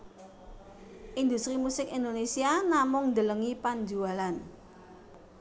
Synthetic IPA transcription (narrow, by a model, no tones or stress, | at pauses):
ʔind̪ust̪ɾimusɪkind̪onesianamʊŋnd̪ələŋipaɲd͡ʒualan